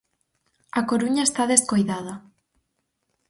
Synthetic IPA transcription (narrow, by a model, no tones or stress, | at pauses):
akoɾuɲaest̪aðeskojðaðɐ